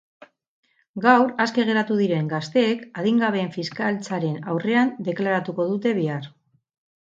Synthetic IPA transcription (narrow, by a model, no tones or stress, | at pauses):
ɡawɾaske̞ɣ̞e̞ɾat̪uðiɾe̞ŋɡast̪e̞ːkaðiŋɡaβ̞e̞ːɱfiskalt͡saɾe̞nawre̞and̪e̞klaɾat̪uko̞ð̞ut̪e̞βiar